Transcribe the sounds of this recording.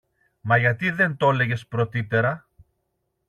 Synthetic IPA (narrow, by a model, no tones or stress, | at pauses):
mɐʝɐt̪iðe̞nt̪o̞le̞ʝe̞spɾo̞t̪it̪e̞ɾɐ